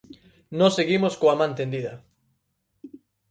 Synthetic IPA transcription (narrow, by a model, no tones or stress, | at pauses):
nõseɣimoskoamãnt̪end̪iðɐ